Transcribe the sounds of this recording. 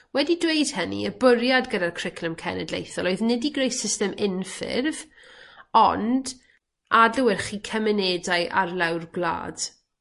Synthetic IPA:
wɛdidwejd̥hənḭəbʊɾjadɡədarkʰr̥ɪkʰləmkʰɛ̰nɛdlḛjθɔlˠoɨðnɛdiɡrejsɪstɛmɪnfɪ̰rv | ɔ̰nd | adləwɪrχiːkʰəmɛneːdajʔa̰rlˠawrɡlˠa̰ːd̥

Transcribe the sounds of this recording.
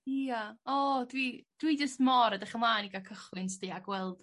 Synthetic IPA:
iaɔdwid̥wid͡ʒəstmɔɾadɛχəmlˠaːniɡakʰəχwɨnsd̥iːaɡwɛlˠd̥

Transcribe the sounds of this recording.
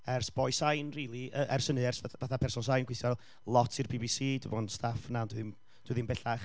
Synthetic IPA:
ɛrsb̥ɔjsajnriːlˠiʔəːʔɛrsənɨɛrsavaθapʰɛrsɔns̬ajnɡwɨθjɔ | lˠɔtʰɨrbibisiːdəvɔnstʰafnandwɪðin | d̥wɨðinbɛɬaχ

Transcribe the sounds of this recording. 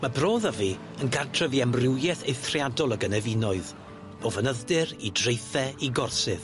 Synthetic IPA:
mabroːðəvi | ənɡartʰrəviɛmrɪwjɛθejθrjadɔlˠəɡənɛvinɔɨð | b̥ɔvənəðdɪɾidrejθɛiɡɔrsɨð

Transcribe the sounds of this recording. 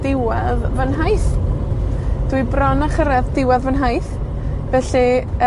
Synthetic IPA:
d̥ɪwɛðvənɦajθ | d̥wɨbrɔnaχəɾɛðdɪwɛðvənɦajθ | vɛɬi

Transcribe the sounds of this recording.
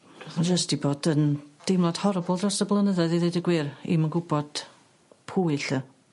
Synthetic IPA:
and͡ʒəstiboːdənd̥ɪmlˠad̥hɔɾbʊlˠdrɔsəblˠənəðɛðiðedəɡwɪrḭmənɡʊbɔd̥ | pʰuːɨɬə

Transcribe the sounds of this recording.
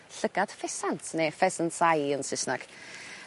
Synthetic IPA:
ɬəɡad̥fɛsantʰnefɛsənsajənsɪsnaɡ̥

